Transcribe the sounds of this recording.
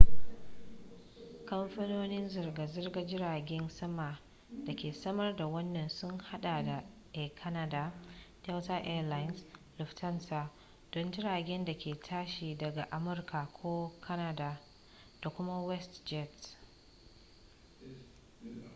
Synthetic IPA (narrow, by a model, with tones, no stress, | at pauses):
kɐ˦mɸɐ˦noː˦nɪ˦nzɐ˨rɡa˨zɐ˦rɡa˦d͡ʒɪ˦ɾaː˨ɡʲɛ˦nsɐ˦ma˨ | da˨kʲeː˨sɐ˦mɐ˦rda˨wɐ˦nːɐ˨nsʊ˦ŋha˦ɗa˨da˨ | ʔɛ˨kʰɐ˦nɐ˦da˦ta˦wtaː˦ʔɛ˦˨la˦jnslʊ˨ftɐ˦nsa˨ | d̥ɔ˦nd͡ʒɪ˦ɽaː˨ɡʲɛ˦nda˨kʲʰeː˨tʰaː˦ʃiː˨dɐ˨ɡa˨ʔa˨mʊ˦rka˨kʷʰoː˦kʰɐ˦na˦da˨ | d̥a˨kʷʊ˦ma˦wɛ˦std͡ʒɛ˦˨t